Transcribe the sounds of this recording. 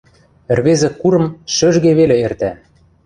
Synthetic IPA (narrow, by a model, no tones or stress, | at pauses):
ɘ̆rβezĕkuɾɤ̆mʃøʒɣeβelĕert̪æ